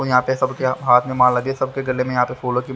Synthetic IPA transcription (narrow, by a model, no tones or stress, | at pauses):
ojɐɦãːpesɐbkeɦaːt̪ʰmẽmãːlɐd̪esɐbkeɡɐlemẽjɐɦãːpefoːloki